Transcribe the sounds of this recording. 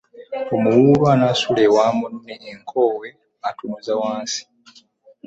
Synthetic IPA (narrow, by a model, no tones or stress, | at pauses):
omuwuːlwanasulewaːmonneːŋkʰo̞ːwe̞ | atumuzawaːnsi̥